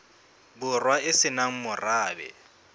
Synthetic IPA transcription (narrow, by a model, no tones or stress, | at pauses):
bʊrwaɪsɪnaŋ̩mʊraːbɛ̰